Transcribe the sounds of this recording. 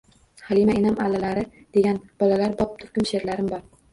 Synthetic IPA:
halimaenamalːalaɾɪ | d̪̥e̞ɡʲanb̥ɒlalaɾbɒp̚t̪ʰʊɾkʲʰʊmʃe̞ɾlaɾɪmbɒɾ

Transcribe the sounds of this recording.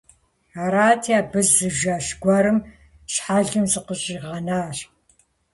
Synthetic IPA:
aːɾaːtʰiaːbɨzːɨʒaːɕɡʷɐɾɨm | ɕħaɮɨmzɨqəɕʼiːʁɐnaːɕ

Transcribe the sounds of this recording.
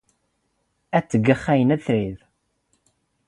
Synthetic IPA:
æt͡sːəɡːəχːæjənæθɾið

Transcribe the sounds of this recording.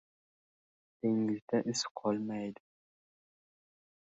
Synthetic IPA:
d̪̥eŋɪzd̪aʔɪsqʰɒlˠmajd̪ɪ

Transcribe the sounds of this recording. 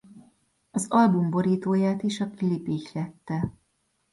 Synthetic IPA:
ɒzɒlbumbo̞ɾiːt̪oːjaːt̪iʃɒkilipiʃlɛt̪ːɛ

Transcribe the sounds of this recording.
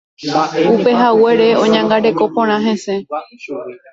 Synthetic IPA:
upe̞ɦawe̞ɾe̞õ̞ɲãŋɡaɾe̞ko̞põ̞ɾ̃ãɦẽ̞se̞

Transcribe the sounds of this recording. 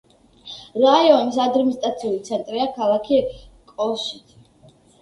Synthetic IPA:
ɾaiɔnisad̪ɾmist̪ʼat̪sʰiulit̪sʰɛnt̪ʼɾiakʰalˠakʰi | kʼɔʃit̪ʰ

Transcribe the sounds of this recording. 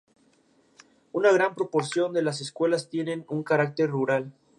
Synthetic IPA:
unaɣ̞ɾampɾo̞po̞ɾsjo̞nd̪e̞las̬eskwe̞last̪jene̞nuŋkaɾak̚t̪e̞rruɾal

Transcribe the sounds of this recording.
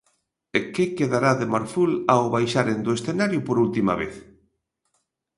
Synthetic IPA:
ekekeðaɾaðemaɾfulawβajʃaɾend̪oesθenaɾjʊpoɾult̪ima̰βḛθ

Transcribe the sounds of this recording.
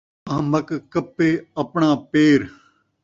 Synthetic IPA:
ɐɦməkkɐpːeːɐpɳãːpeːɾ

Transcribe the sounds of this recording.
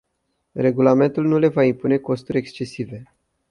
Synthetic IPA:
re̞ɡulame̞nt̪ulnule̞vaimpune̞ko̞st̪uɾʲekst͡ʃe̞sive̞

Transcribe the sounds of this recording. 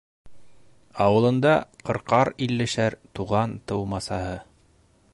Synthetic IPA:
ɑwɤ̆lˠɤ̆nd̪ɑqɤ̆ɾqɑɾilːɘ̆ʃæɾt̪uʁɑnt̪ɤwmɑsɑhɤ

